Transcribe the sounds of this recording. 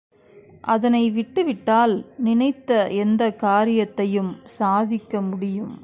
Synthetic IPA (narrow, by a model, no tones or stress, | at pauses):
ʔɐðɐnɐɪʋɪʈːɯʋɪʈːaːlnɪnɐɪt̪ːɐɛnd̪ɐkaːɾɪjɐt̪ːɐjɯmsaːðɪkːɐmʊɽɪjɯm